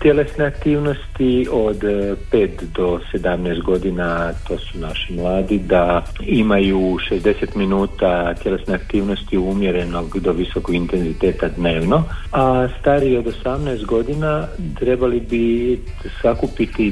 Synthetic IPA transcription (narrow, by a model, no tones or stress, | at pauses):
t̪je̞le̞sneakt̪iːʋno̞st̪io̞d̪pe̞ːt̪d̪o̞se̞d̪amnɛːst̪̚ɡo̞d̪inat̪o̞ːsunaʃimlˠaːd̪id̪a | imajuʃe̞zd̪e̞se̞t̪minuːt̪at̪je̞le̞sneakt̪iːʋno̞st̪iumjeɾe̞no̞ɡd̪o̞ʋisokoɡint̪e̞nzit̪e̞ːt̪ad̪ne̞ːʋno̞ast̪aɾio̞d̪o̞samnɛːst̪̚ɡo̞d̪inat̪ɾebalibi | sakupit̪i